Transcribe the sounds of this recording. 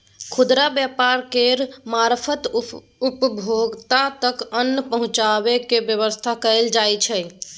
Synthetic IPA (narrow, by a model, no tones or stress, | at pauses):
kʰud̪ɾabjapaɾkeɾmaɾpʰət̪ | upəbʱoɡt̪at̪əkənːəpəɦũt͡ʃaβekebjəβəst̪ʰakəld͡ʒajt͡ʃʰɛ